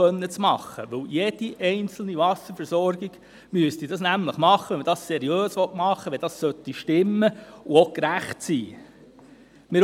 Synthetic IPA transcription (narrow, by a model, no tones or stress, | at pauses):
œnːət͡smɑχːə̰ʋɵwjed̥̪iʔɛɪnt͡sl̩niʋɑsəɾfəɾsɔɾɡ̥iɡ̥ | myəstid̥ɑsnæmləχmɑχːəʋɛməd̥ɑssɛɾiøːsʋɔtmɑχːəʋɛd̥ɑssœt̪ːiʃtɪmːəuokɾæχtsiː | mɪ